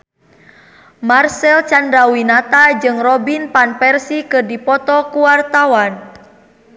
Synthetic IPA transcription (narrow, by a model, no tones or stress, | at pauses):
marsɛlt͡ʃandawinat̪ad͡ʒɨŋrɔbinpanpɛrsikɨrdipɔt̪ɔkuwart̪awan